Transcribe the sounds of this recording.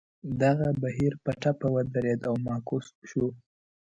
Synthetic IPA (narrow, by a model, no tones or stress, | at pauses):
d̪aɣabaɦiɾpəʈapawad̪aɾed̪awmɑkosʃu